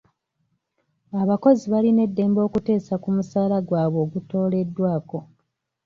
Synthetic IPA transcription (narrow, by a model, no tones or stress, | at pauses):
aβako̞ziβaline̞dːe̞ːmbo̞ːkute̞ːsakumusaːlaɡwaːβo̞ːɡuto̞ːle̞dːwaːko̞